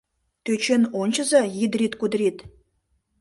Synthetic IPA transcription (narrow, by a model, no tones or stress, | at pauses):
t̪øt͡ɕenonʲt͡ɕə̆zɑjid̪ɾʲit̪kud̪ɾʲit̪